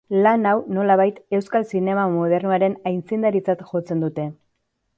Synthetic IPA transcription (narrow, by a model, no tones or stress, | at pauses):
lanawno̞laβ̞ajt̪e̞wskalsine̞mamoðe̞ɾnuaɾe̞najnt͡sind̪aɾit͡sat̪ʝo̞t͡se̞nd̪ut̪e̞